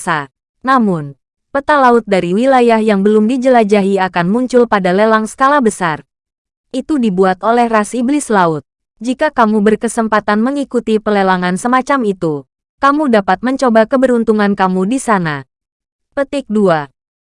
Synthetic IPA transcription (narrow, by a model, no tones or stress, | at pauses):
sa | namʊn | pət̪alaʊt̪̚daɾiwilajahjaŋbəlʊmdid͡ʒəlad͡ʒaɦiakanmuɲt͡ʃʊlpadalelaŋsə̥kalabəsar | ʔit̪udibuat̪olɛhrasiblɪslaʊt̪̚ | d͡ʒikakamubərkəsəmpat̪anməŋikut̪ipəlelaŋansəmat͡ʃamit̪u | kamudapat̪̚məɲt͡ʃobakəbəɾunt̪uŋankamudisana | pət̪ɪk̚dua